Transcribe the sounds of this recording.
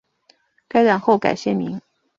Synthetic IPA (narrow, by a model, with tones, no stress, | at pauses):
ka˥ɪɻa˨˩nxo˥˩ʊka̰˨˩ɪɕjɛ˥˩mi˧˥ŋ